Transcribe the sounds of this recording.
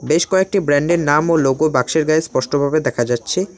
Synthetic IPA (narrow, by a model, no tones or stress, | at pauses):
beʃkɔek̚ʈibɾɛɳɖeɾnamoloɡobakʃeɾɡaespɔʃʈobʱabed̪ɛkʰad͡ʑatːɕʰe